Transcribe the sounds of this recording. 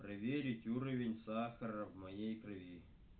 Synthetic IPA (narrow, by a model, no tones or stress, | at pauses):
pɾɐvʲeɾʲɪtʲuɾəvʲɪnʲsaxəɾəvmɐjejkrɨvʲi